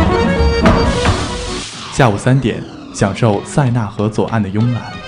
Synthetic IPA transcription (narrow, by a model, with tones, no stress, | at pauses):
ɕja˥˩u˨˩sa˥nt̪jɛ̰˨˩˦n | ɕjɑ˨˩ŋʂo˥˧ʊsa˥˧ɪna˥˩xɤ˧˥t͡swɔ˨˩ʔa̰˥˩nd̪ə˩jʊ˥ŋla̰˨˧˥n